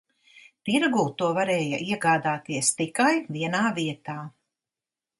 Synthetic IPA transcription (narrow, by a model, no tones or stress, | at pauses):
t̪iɾɡuːt̪uɔvaɾɛːjɐ̰ʔiɛɡaːd̪aːt̪iɛst̪ikajviɛnaːviɛt̪aː